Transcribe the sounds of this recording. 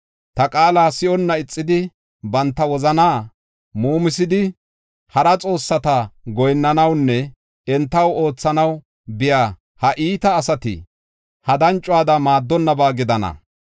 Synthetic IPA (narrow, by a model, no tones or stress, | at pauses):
t̪ɐkʼaːlaːsɪɔnːɐɪt͡sʼːɪd̪ɪ | bɐnt̪ːɐwɔzɐnaː | muːmɪsɪd̪ɪ | hɐɾɐt͡sʼo̞ːsːɐt̪ɐɡɔjnːɐnɐwnːɛ | ɛnt̪ːɐwo̞ːt͡sːɐnɐw | bɪjaː | hɐʔiːt̪ɐːsɐt̪ɪ̰ | hɐd̪ɐnt͡ʃʼʊwaːd̪ɐmaːd̪ːɔnːɐbaːɡɪd̪ɐnɐ̰